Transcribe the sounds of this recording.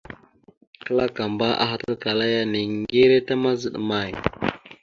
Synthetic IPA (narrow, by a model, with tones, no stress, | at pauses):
kə˦la˦ka˨mba˦ʔa̰˦ɦa˨ta˦lka˨la˦ja˦ni˨ŋɡe˦ɾe˦ta˦ma˦zə˦˨ɗma˨j